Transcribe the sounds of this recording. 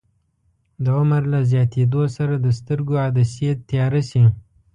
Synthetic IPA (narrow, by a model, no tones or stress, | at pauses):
d̪əʊməɾlazjɑt̪ed̪osaɾad̪əst̪əɾɡoad̪asiet̪ːjɑɾasi